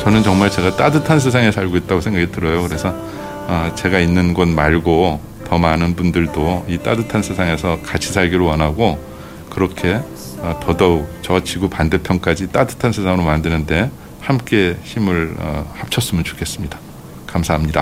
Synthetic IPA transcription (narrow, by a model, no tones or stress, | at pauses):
t͡ɕʌnɯnt͡ɕʌŋmaɭt͡ɕe̞ɡat͈adɯtʰansʰesʰaŋe̞sʰaɭɡoit̚t͈aɡosʰe̞ŋɡakʰitɯɾʌjokɯɾe̞sʰʌ | ʌt͡ɕe̞ɡainːɯnɡʌnmaɭɡo | tʌmanɯnbundɯɭdoit͈adɯtʰansʰesʰaŋe̞sʰʌkat͡ɕʰisʰaɭɡiɾowʌnɦaɡo | kɯɾʌkʰe̞ | ʌtʌdʌt͡ɕʌt͡ɕiɡupande̞pʰjʌŋk͈ad͡ʑit͈adɯtʰansʰesʰaŋɯɾomandɯnɯnde̞ | hamk͈e̞çimɯɭʌ̰hap̚t͡ɕʰʌs͈ɯmɯnt͡ɕo̥kʰe̞s͈ɯmɲidḁ | kamsʰaɦamɲida